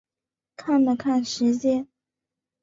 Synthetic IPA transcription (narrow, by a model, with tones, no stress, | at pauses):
kʰa˥˩nlə˨˩kʰa˥˩nʂɻ̩˧˥t͡ɕjɛ˥˧n